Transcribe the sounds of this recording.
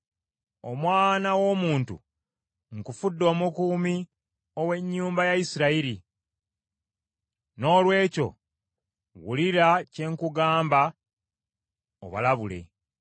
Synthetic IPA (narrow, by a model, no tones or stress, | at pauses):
o̰mwaːnawo̞ːmuːntṵ | ŋkufudːo̞ːmukuːmi | owe̞ɲːuːmbajaisiɾaiɾi | no̞ːlwe̞ːco̞̰ | ɣṵliɾace̞ŋkuɡaːmba | o̰βa̰laβule̞̰